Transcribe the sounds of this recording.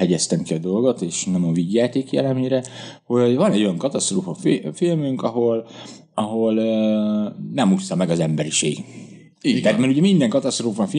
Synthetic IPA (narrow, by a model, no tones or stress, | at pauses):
ɛɟɛst̪ɛmkiɒd̪o̞lɡo̞t̪eːʃnɔjoɱviɟjaːt̪eːkjɛlɛmeɾɛho̞ɟvɒnɛɟːo̞jɒŋkɒt̪ɒst̪roːfɒffilmyŋkɒɦo̞l | ɒɦo̞lː | nɛmust̪ɒmɛɡɒzɛmbɛɾiʃḛːɡ | it̪ɛːt̪mɛɾuɟɛmind̪ɛŋkɒt̪ɒst̪roːfɒfi